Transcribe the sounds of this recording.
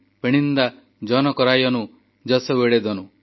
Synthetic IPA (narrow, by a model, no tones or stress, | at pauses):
peɽ̃ind̪a | d͡ʒɔnɔkɔɾajɔnu | d͡ʒɔsɔweɽed̪ɔnu